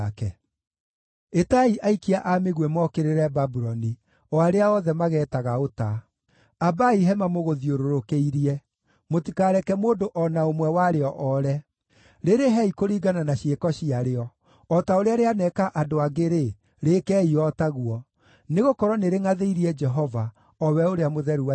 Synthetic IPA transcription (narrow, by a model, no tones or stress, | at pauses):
kɛ | etaiʔaikiaʔameɣwɛmɔkeɾeɾɛbabuɾɔni | ɔaɾeaɔðɛmaɣɛːtaɣaota | abaiɦɛmamoɣoðioɾoɾokeiɾiɛ | motikaːɾɛkɛmoːdoʔɔnaomwɛwaɾeɔʔɔɾɛ | ɾeɾeɦɛikoɾiːɡananaɕiekɔɕiaɾeɔ | ɔtaoɾeaɾeanɛkaʔadoaɡeɾe | ɾeːkɛiɔtaɣuɔ | neɣokɔɾɔneɾeŋaðeiɾiɛd͡ʒɛɦɔva | ɔwɛoɾeamoðɛɾua